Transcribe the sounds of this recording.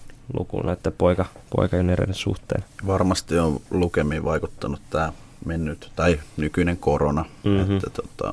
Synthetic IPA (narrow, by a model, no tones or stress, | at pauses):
lṵkṵnɑet̪ːæpoikɑpo̰ikɑjoneɾḛlesṵht̪ḛːnʋɑrmɑst̪ioʋlukemːˑiʋɑikut̪ːɑnut̪t̪æː | menːyt̪t̪ɑinykyneŋkoronɑet̪ːæt̪ot̪ɑ̰